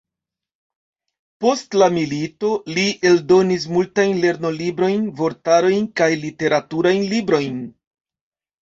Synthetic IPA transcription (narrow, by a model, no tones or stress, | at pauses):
po̞stlamilito̞liʔe̞ldo̞nis̬multajnle̞ɾno̞libɾo̞jnvo̞ɾtaɾo̞jnkajlite̞ɾatuɾajnlibɾo̞jn